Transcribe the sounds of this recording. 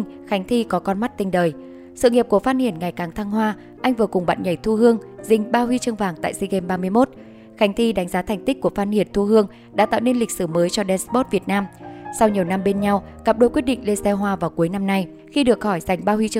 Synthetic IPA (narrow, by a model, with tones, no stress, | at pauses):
ŋ | xa˨˦jŋ̟t̪ʰi˧kɔ˨˦kɔ˧nma˦˥t̚t̪ï˧ŋ̟ɗəː˨˩j | sɨ̰˧˨ŋi˨˩p̚ku˧˩əfaː˧t̚hi˧˩ənŋa˨˩jkaː˨˩ŋt̪ʰaː˧ŋɦwaː˧ | ʔa˧jŋ̟vɨ˨˩əkʊ˨˩ŋ͡mɓa̰ː˧˨nɲə˧˩jt̪ʰu˧ɦɨ˧əŋzï˧˩ŋ̟ɓaː˧ɦwi˧t͡ɕɨ˧əŋvaː˨˩ŋt̪a̰ː˧˨jsi˧ɣɛ˧mɓaː˧mɨ˧əjmo˦˥t̚ | xa˨˦jŋ̟t̪ʰi˧ɗa˨˦ŋ̟zaː˨˦t̪ʰɛ˨˩ŋ̟t̪i̟˦˥ku˧˩əfaː˧n̚hi˧˩ənt̪ʰu˧ɦɨ˧əŋ | ɗa̰ː˧˥t̪a̰ː˧˨wne˧nli˨˩k̟̚sɨ˧˩məː˨˦jt͡ɕɔ˧ɗɛ˧nspo˦˥t̚vi˨˩ət̚naː˧msa˧wɲi˨˩əwna˧mɓe˧nɲa˧wkaː˨˩p̚ɗo˧˦jkwt̚ɗḭ˧˨ŋle˧sɛ˧ɦwaː˧vaː˨˩wku˨˦əjna˧mna˧j | xi˧ɗɨ˨˩ək̚hɔ˧˩jza˨˩jŋ̟ɓaː˧hwi˧t͡ɕ